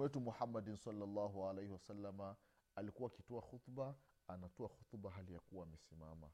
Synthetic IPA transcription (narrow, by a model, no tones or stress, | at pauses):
wɛtumuhamːadinsalːalːaɦualejhiwasalːama | alikuwaːkitɔaxut̪ba | anatɔaxut̪baɦalijakuwaːmɛsima̰ma̰